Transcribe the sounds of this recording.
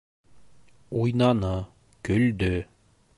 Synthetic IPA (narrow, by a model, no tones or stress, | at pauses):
ujnɑnɤ | kɵ̆ld̪ɵ